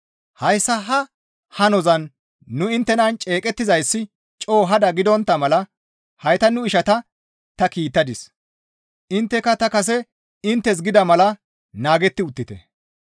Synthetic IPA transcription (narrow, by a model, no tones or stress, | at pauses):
hɐjsːɐɦɐ | hɐnɔzɐnː | ʊɪnt̪ːɛnɐnt͡ʃʼe̞ːkʼɛt̪ːɪzɐjsːɪ | t͡ʃʼo̞ːɦɐd̪ɐɡɪd̪ɔnt̪ːɐmɐlɐ | hɐjt̪ɐnʊɪʃɐt̪ɐ | t̪ɐkiːt̪ːɐd̪ɪs | ʔɪnt̪ːɛkːɐt̪ɐkɐs̬ɛ | ɪnt̪ːɛs̬ɡɪd̪ɐmɐlɐ | naːɡɛt̪ːɪʊt̪ːɪt̪ɛ̰